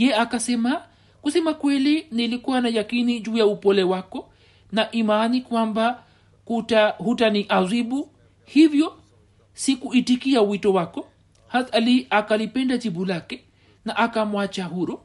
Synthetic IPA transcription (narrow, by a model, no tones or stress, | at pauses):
jɛakasɛma | kusɛmakwɛlinilikuwanajakinid͡ʒuːjaupɔlɛwakɔ | naʔimanikwamba | kutahutaniʔaziɓu | hivjɔ | sikuitikiawitɔwakɔ | haθaliakalipɛndad͡ʒiɓulakɛ | naʔakamwat͡ʃaɦuɾɔ